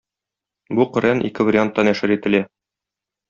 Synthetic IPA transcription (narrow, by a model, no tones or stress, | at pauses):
buqɤ̆ɾænʔḭkɘvɐɾʲɪant̪ːɑnæʃɘɾit̪ɘ̆læ